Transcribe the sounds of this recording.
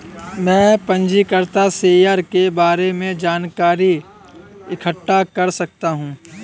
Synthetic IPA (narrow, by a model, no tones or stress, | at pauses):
mɛ̃ːpɐ̃ɲd͡ʒikəɾt̪aseːjaːɾkebaːɾemẽd͡ʒaːnkaːɾi | ɪkʰəʈːakɐɾsɐk̚t̪aɦũː